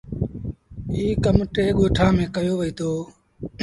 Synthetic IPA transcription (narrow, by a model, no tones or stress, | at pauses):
iːkəmʈeːɠoːʈʰãːmẽːkəjoːʋəiːt̪ʰoː